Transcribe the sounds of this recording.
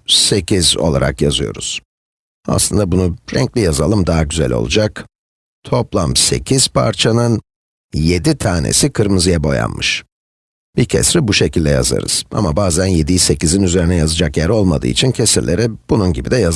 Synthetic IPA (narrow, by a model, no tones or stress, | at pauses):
se̞cʰizo̞̰lˠa̰ɾa̰kjazɯjo̞̰ɾuz̥ | a̰slˠɯnd̪abunuɾɛ̰ɲclʲijazalˠɯmd̪aɦaɟyzæ̰lʲo̞̰lˠud͡ʒak | t̪ʰo̞plˠamse̞̰cʰiz̥pʰa̰ɾt͡ʃʰanɯn | je̞d̪it̪ʰaːnḛsikʰɯɾmɯzɯjabo̞̰ja̰nmɯʃ | b̥icʰḛsɾibuʃe̞cʰilʲd̪ɛja̰za̰ɾɯ̰z̥a̰mabaːzænje̞d̪ijise̞cizinyze̞ɾinɛjazɯd͡ʒakjæɾo̞lˠmad̪ɯ̰ːit͡ʃʰincʰe̞siɾlːʲe̞ɾɛb̥ununɟibid̪ɛja